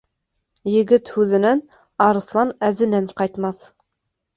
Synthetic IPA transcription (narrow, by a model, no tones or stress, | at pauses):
jɘ̆ɡɘt̪hʉðɘ̆næn | ɑɾɤ̆slˠɑnæðɘ̆næɴqɑjt̪mɑθ